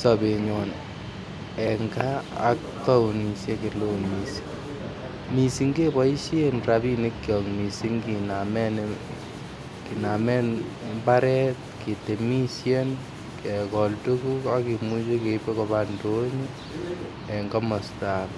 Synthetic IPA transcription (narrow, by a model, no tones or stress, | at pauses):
sɔbeɲɔn | ɛŋɡa̰ːk̚tɔwnisekelomisi̥ | misiŋɡebɔiʃjenrabinekːjɔŋmisiŋkinamɛn | kinamɛnmbaɾɛt̚ketemisjen | kɛkɔltukukakimut͡ʃekepekɔbandoɲi | ɛŋɡamɔstak